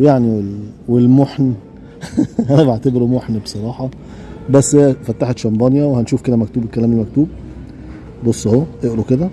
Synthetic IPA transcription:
wjaʕniwelwelmoħn | hænæbeʕt̪ebeɾumoħnbe̥sˤɑɾˤɑːħɑ | bæsːæfæt̪ːaħet̪ʃæmbɑnjæwehænʃuːfked̪æmækt̪uːbekːælæːmelmæk̚t̪uːb̚ | bosˤːhoːʔeʔɾoked̪æ

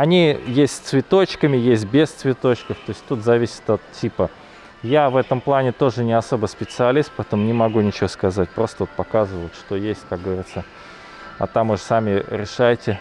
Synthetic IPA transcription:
ɐnʲijesʲtʲsʲt̪svʲɪt̪o̞t͡ɕkəmʲɪjes̬ʲt̚ʲbʲest̪svʲɪt̪o̞t͡ɕkəft̪o̞ɪsʲtʲt̪ut̪zɐvʲisʲɪ̥t̪ɐt̪tʲʰːipə | javɛt̪əmplˠanʲɪt̪o̞ʐɨnʲɪɐso̞bəspʲɪt̪sɨɐlʲist̪̚pɐɛt̪əmʊnʲɪmɐɡunʲɪt͡ɕɪvoskɐzat̚ʲpɾo̞st̪əvot̪̚pɐkazɨvəjʊt̪ʂt̪o̞jesʲtʲkak̚ɡəvɐɾʲit̪sə | ɐ̰t̪amvɨʂsamʲɪɾʲɪʂajɪtʲɪ

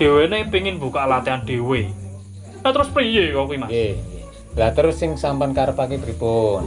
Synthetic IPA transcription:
ɖ̥e̤wenepiŋɪnbṳkaʔlat̪eanɖ̥e̤we | nat̪əɾʊspɾijeɔkuimae | lat̪əɾʊsːɪŋsampankaɾəpakebəɾipʊn

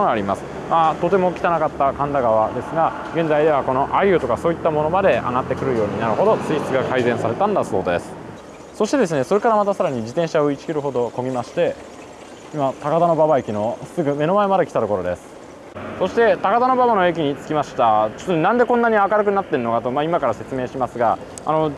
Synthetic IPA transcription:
ooɡaːɾʲimasɨ̥ | mat̪o̞t̪e̞mo̞kʲi̥t̪anakat̪ːakãnd̪aɡaβad̪e̞sɨɡa | ɡẽ̞nzaid̪e̞βako̞no̞ʔaiɯ̟t̪o̞kaso̞ːit̪ːamo̞no̞mad̪e̞a̰ɡat̪ːe̞kɯ̟ɾɯ̟jo̞ːɲ̟inaɾɯ̟ɦo̞d̪o̞t͡sɨi̥t͡sɨɡakaizẽ̞ɰ̃saɾe̞t̪ãnd̪aso̞̰ːd̪e̞̰sɨ̥ | so̞ɕi̥t̪e̞d̪e̞sɨne̞so̞ɾe̞kaɾamat̪asaɾaɲ̟id͡ʑit̪ẽɕaoit͡ɕi̥kʲiɾɯ̟ɦo̞d̪o̞ko̞ɡʲimaɕi̥t̪e̞ | imat̪akad̪ano̞babaekʲino̞sɨɡɯ̟me̞no̞mae̞mad̪e̞kʲit̪at̪oko̞ɾo̞d̪e̞sɨ̥ | so̞ɕi̥t̪e̞t̪akad̪ano̞baβano̞e̞kʲiɲ̟it͡sɨ̥kʲimaɕi̥t̪at͡ɕo̥t̪onnãnd̪e̞kõ̞nːaɲ̟iakaɾɯ̟k̬ɯ̟nat̪ːeɾɯno̞kat̪o̞maimakaɾase̞t͡sɨme̞ːɕimasɨɡa | a̰no̞

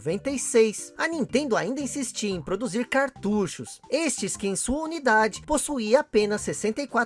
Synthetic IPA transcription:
vẽnt̪ejsejsɐnĩt̪ẽnd̪ʊaĩnd̪ɐĩsist͡ʃiẽj̃pɾod̪uziɾkaɾt̪uʃʊsest͡ʃɪskɪẽj̃suɐunid̪ad͡ʒɪposuiɐapẽnɐsːesẽnt̪ejkwa

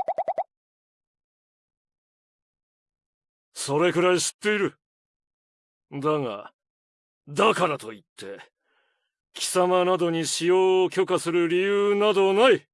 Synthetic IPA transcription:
so̞ɾe̞kɯ̟ɾaiɕi̥t̪ːe̞iɾɯ̟ | d̪aŋa̰ | d̪akaɾat̪o̞it̪ʰːe̞̰ | kʲi̥samanad̪o̞ɲ̟iɕijo̞ːkʲo̞kasɨɾɯ̟ɾʲijɯːnad̪o̞nai

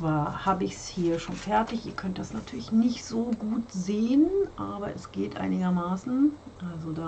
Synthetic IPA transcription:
v̥aːɐhaːbəɪçshiːɐʃoːnfɛɐtɪçʔiːɐkʰœnt̚d̥asnatʰyːɐlɪçnɪçtz̥oːɡuːtzeːənʔaːbɐ̰ʔɛsɡ̥eːtʔa̰ɪnɪɡɐmaːsn̩ʔalzodaː

